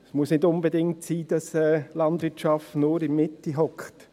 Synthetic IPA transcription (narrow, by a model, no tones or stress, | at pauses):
smuəsnɪdʊnbədɪŋtsiːd̥ɑsɛːlɑndvɪtʃɑftnʊːɾɪnmɪtiɦɔkχt